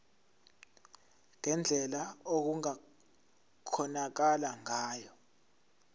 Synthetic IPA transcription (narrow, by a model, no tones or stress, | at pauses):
ŋɛnd͡ɮʱɛlaok̬uŋa | kʰɔnak̬alaŋaːjɔ